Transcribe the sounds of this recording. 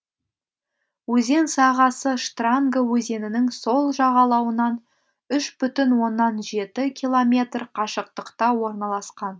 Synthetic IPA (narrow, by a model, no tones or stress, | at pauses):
wɵze̞nsɑʁɑsəʂt̪raŋɡəwɵze̞nɪnɪŋso̞lˠʒɑʁɑlˠɑwənɑn | ʏʃbʏt̪ɪnwo̞nːɑnʒe̞t̪ɪkʲʰijlˠo̞mʲe̞t̪rqʰɑʃəq̚t̪əqt̪ɑwo̞ɾnɑlˠɑsqɑn